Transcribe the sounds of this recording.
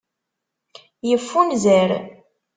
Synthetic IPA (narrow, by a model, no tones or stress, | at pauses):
jəfːunzæɾ